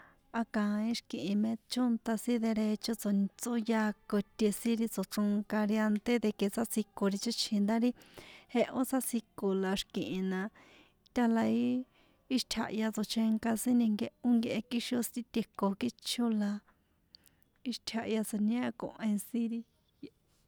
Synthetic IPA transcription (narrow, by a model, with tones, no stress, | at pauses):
a˧kã˨˧ĩ˦ʃkĩ˨ʔĩ˧mẽ˧t͡ʃo˦nt̪a˧sĩ˦ðe˧ɾe˧t͡ʃo˧t͡so˧t͡so˦ja˧ko˧t̪ʲe˧sĩ˦ɾi˧t͡so˨ʈ͡ʂo˧ŋka˧ɾi˧a˧nt̪e˦ðe˧ke˧sa˦si˧ko˧ɾi˧t͡ʃo˦t͡ʃʰĩ˧nd̪a˦ɾi˦he˧ʔo˦t͡sa˦si˧ko˧la˧ʃkĩ˨ʔĩ˧nã˧ | t̪ʲa˧la˧iː˦ | ʃt̪ʲʰa̰˧ʔja˧t͡so˧t͡ʃe˧ŋka˧sĩ˦nĩ˧ŋɡe˧ʔo˦ŋɡe˧ʔe˧ki˦ʃo˧st̪i˦t̪ʲe˧ko˧ki˦t͡ʃʰo˦la˧ | i˦ʃt̪ʲʰa˧ʔja˧t͡so˨nẽ˦˧kõ̰˧ʔẽ˧sĩ˦ɾi˧ | j